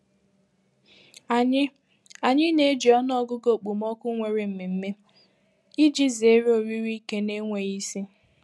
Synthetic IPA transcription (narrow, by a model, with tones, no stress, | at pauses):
a˨ɲɪ˦ne˦e˦d͡ʒi˨ɔ˦nɔ˦ɡʊ˦ɡo˨k͡pu˨mɔ˦kʷʊ˦ŋʷe˨ɾe˨m̩˨mi˨m̩˦me˦ | i˦d͡ʒi˦ze˦ɾo˨ɾi˦ɾi˦ke˦ne˦ŋʷe˨i˦si˦